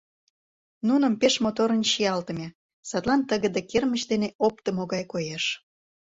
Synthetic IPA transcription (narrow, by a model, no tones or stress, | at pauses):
nunə̆mpeʃmot̪oɾənɕijɑlt̪ə̆mʲe | sɑt̪lˠɑnt̪əɣəd̪ekermət͡ɕd̪eneʔop̚t̪ə̆moɣɑjkojeʃ